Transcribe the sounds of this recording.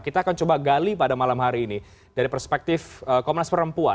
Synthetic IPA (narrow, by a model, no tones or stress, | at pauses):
kit̪aːkant͡ʃobaɡalipadamalamɦaɾiːni | daɾipərspɛk̚t̪ɪfəkomnaspəɾəmpua